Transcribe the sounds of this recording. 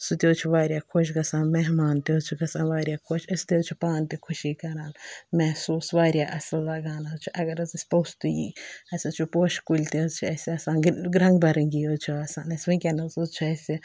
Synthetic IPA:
sut̪ʲoːt͡ʃʰuʋaːɾjaːkʰoʃ̬ɡɐsãːnmɛɦmaːnt̪ːt͡ʃʰuɡɐsãːnʋaːɾʲjaːkʰoʃɐst̪eːt͡ʃʰupaːnt̪ikʰuʃiːkɐɾaːnmɛhsuːsʋaːɾʲjaːʔɐslːɐɡaːnat͡ʃʰuʔɐɡɐɾɐzɐsʲpost̪ujḭːɐsʲɐt͡ʃʰupoːʃkulʲt̪ezt͡ʃʰiɐsʲiɐsãːnɡɾɐŋɡbɐɾɐŋɡijot͡ʃʰuɐsaːnɐsʲmĩkʲɐnɐzuzt͡ʃʰuɐsi

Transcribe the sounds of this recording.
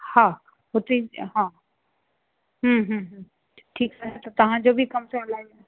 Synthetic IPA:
hã | ɦot̪iɦã | ɦəɦə̃ɦ | ʈʰiːksaɦat̪ot̪ɐɦãd͡ʒobʱikɐmseɐlaːɡ

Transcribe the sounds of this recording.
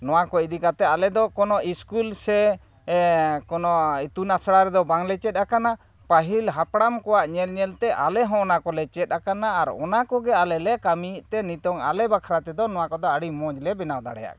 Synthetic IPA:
nɔwakɔid̪ikat̪ɛalɛd̪ɔkɔnɔiskulsɛ | kɔnɔit̪unasɽaɾɛd̪ɔbaŋlɛt͡ʃɛt̪̚ˀakana | paɦilɦapɽamkɔwaʔɲɛlɲɛlt̪ɛʔa̰lɛɦɔ̃ɔnakɔlɛt͡ʃɛt̪̚ˀakanaːɾɔ̰nakɔɡɛalɛlɛkamiʔt̪ɛnit̪ɔŋa̰lɛbakʰaɾat̪ɛd̪ɔnɔwakɔd̪ɔaɽimɔ̃d͡ʒlɛbɛnawd̪a̰ɽɛ̰ja̰ʔ

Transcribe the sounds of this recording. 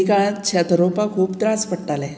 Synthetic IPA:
ikaɭat̪t͡ɕʰat̪ɾopakʰuːpt̪ɾaspəɽʈalɛ

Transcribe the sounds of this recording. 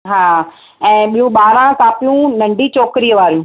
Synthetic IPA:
ɦaː | ɛ̃ːɓijũɓaːɾãkaːpijũnɐ̃ɳɖʱit͡ɕɔːkɾijəʋaːɾijũ

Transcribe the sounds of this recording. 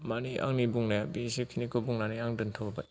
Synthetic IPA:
maniʔa̰ŋnibuŋnajabisikʰinikɔbuŋnaniaŋdɯntʰɔbaj

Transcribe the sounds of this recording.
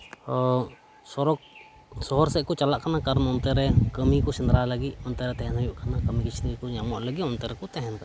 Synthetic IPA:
ɔ | sɔɾɔk̚ | sɔɦɔɾsɛkɔt͡ʃalaʔkanakaɾnɔnt̪ɛɾɛkəmikɔsind̪ɾaləɡiɔnt̪ɛɾɛt̪ɛɦɛnɦɔjuʔkʰanakəmikit͡ʃʰinɾikɔɲamɔʔləɡiʔɔnt̪ɛɾɛkɔt̪ɛɦɛn

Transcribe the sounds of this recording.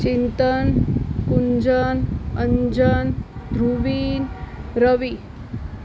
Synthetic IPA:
t͡ɕint̪ənkuɲd͡ʑənəɲd͡ʑənd̪ʱɾuʋiːnɾəʋi

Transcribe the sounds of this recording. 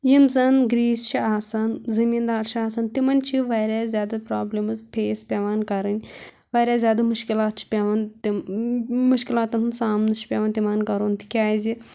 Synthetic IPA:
jimzɐnɡɾiːst͡ʃʰiaːsɐnzimiːnd̪aːɾt͡ʃʰiaːsɐnt̪imɐnʲt͡ʃʰiʋaːɾʲaːzʲjaːd̪ɐpɾaːblʲimɨzpʰʲeːspʲeːʋaːnkɐɾɨnʲ | ʋaːɾʲjaːzʲjaːd̪ɐmuʃkilaːt̪̚t͡ʃʰi̥pʲeʋɐnt̪i | muʃkʲilaːt̪ɐnɦunsaːmnɨt͡ʃʰi̥pʲeːʋɐːnt̪iʋaːnkɐɾoːnt̪i̥kʲaːzi

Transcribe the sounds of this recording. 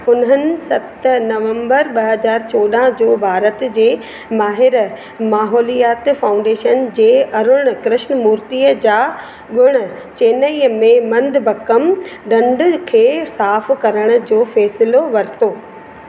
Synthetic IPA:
ʊnɦənɪ̆sɐt̪nɐʋə̃mbəɾɓɐɦɐzaːɾt͡ɕoːɗaɦd͡ʑoːbʱaːɾət̪d͡ʑeː | maːɦɪɾ | maːɦɔːlijaːt̪faːʊ̃ɳɖeːʃənd͡ʑeːɐɾʊɽ̃ʊ̆kɾɪʃnmuːɾt̪iːəd͡ʑaː | ɡʊɽ̃ʊ̆ | t͡ɕeːnəiəmẽmɐ̃nd̪ʱbʱɐkəmɖɐ̃ɳɖkʰeːsaːfkɐɾəɽ̃ʊ̆d͡ʑoːfɛːsɪloʋɐɾt̪oː

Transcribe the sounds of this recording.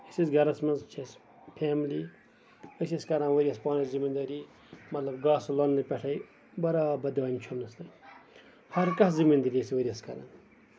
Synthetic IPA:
isisɡɐɾɐsmɐnzt͡ʃʰɐs | pʰeːmli | ɐsʲɐskɐɾɐ̃nʋɐɾʲiɐspaːnɐszimind̪ɐɾi | mɐt̪lɐbɡaːsulɐnːɨpʲɐʈʰɐj | bɐɾaːbɐd̪ʋɐːnʲt͡ʃʰumnɐst̪ɐ | hɐɾkɐszimind̪ɐɾʲisʋɐɾʲiɐskɐ̰ɾa̰n

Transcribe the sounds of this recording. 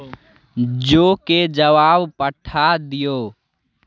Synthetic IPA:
d͡ʒoked͡ʒəʋaːbpəʈʰad̪ijoː

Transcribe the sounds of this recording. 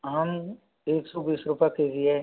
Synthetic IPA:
ɦɐm | eːksɔbiːsɾʊpakeːd͡ʒie

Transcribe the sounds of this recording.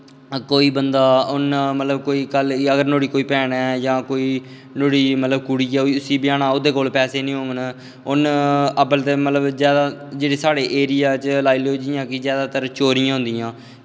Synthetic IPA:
koːiːbənd̪aːʊnmət̪ləbkoːiːkələɡəɾnoːɽiːkoːiːpɛːɳɛːd͡ʒãːkoːiː | noːɽiːmət̪ləbkʊɽiːɛːiʊsiːbɪjaːɽaːod̪eːkoːlpɛːseːnĩːɦõːŋɡən | ʊnəbəlt̪eːmət̪ləbzjaːd̪aːd͡ʒeːɽeːsaːɽeːʔeːɾɪjaːt͡ʃlaːiːloːd͡ʒ̪ɪjãːkɪzjaːd̪aːt̪əɾt͡ʃoːɾɪjãːɦʊ̃nd̪ɪjãː

